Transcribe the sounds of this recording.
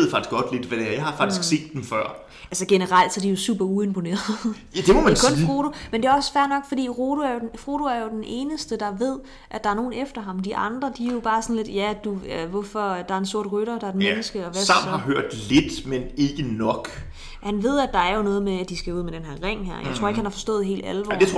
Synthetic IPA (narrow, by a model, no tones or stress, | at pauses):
ð̩ˠfɑ̈ɡ̥isɡ̥ɒ̽d̥le̝d̥ʋæd̥eæɐjɪhɑ̈fɑ̥̈isɡ̥se̝̰ːd̥ːemfɶɐ̰ | ælsəɡ̥enəʁɑl̰d̥sɒd̥ijo̝sṵːb̥ɐue̝mpʰo̝ne̝̰ːɐð̩ˠjæd̥emɔmænkʰɔ̽niʁoːɾomend̥e̝æɒ̽sfæɐnɒ̽ɡ̥fɒ̽d̥ḭːʁoːɾ̥oæɐjo̝denʁoːɾ̥oæɐjo̝d̥enʔe̝ːnəsd̥əd̥ɑ̈ʋe̝ð̞̰ˠ | ʔæd̥ɑ̈æɐno̝ːn̩efd̥ɐɦɑ̈md̥iʔɑ̈nd̥ʁɐd̥ijo̝b̥ɑ̈ːsɒ̽n̩le̝d̥jæd̥uʋɔfɒ̽d̥ɑ̈æɐe̝nso̝ɐ̰d̥ʁyɾ̥ɐd̥ɑ̈ædnmenəsɡ̥əɒʋæsɑ̈mnhɑ̈ɦøɐ̰d̥led̥mene̝ɡ̥ənɒ̽ɡ̥ | hænʋe̝ð̞̰ˠæd̥ɑ̈æɐjo̝nɔ̽ːð̞̩ˠmeæd̥isɡ̥æuð̞̰ˠmed̥enɦeɐʁeŋ̰ɦæɐ̰jaɪt͡sʰʁo̝ɐ̰e̝ɡ̥hænhɑ̈fɒ̽sd̥ɔ̰̽ːð̩ˠɦe̝̰ːld̥ælʋɒ̰de